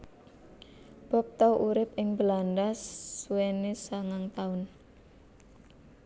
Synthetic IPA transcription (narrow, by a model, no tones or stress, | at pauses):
b̥ɔ̤p̚t̪ɔwʔuɾɪp̚ɪŋbəlanɖasːuwenesaŋaŋt̪aʊn